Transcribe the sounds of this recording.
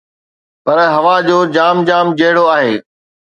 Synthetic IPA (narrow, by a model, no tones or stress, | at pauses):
pɐɾɦɐʋad͡ʑoːd͡ʑaːmd͡ʑaːmd͡ʑɐɦɪɽoaːɦeː